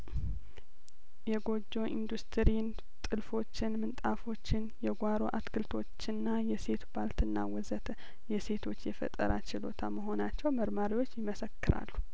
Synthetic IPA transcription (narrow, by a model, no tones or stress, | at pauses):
jɛɡo̞d͡ʒːo̞ʔind̪ust̪ʰɨɾin | t̪ʼɨlfo̞t͡ʃːɪnmɨnt̪ʼafo̞t͡ʃːɪnjɛɡʷaɾo̞̰ʔat̪kʰɨlt̪ʰo̞t͡ʃːɪnːajɛse̞t̪ubalt̪ɨnːa̰wɔzət̪ʰə | jɛse̞t̪ʰo̞t͡ʃːjɛfə̰t̪ʼə̰ɾat͡ʃɪlo̞̰t̪ʰaməɦo̞nat͡ʃːɛwməɾmaɾiwo̞t͡ʃːjɪməsəkːɨɾa̰lːu